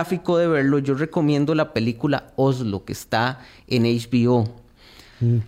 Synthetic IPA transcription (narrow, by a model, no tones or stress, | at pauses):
afikoðe̞βe̞ɾloʝo̞re̞ko̞mjẽ̞nd̪olape̞likula̰ozlokest̪a | enejt͡ʃbio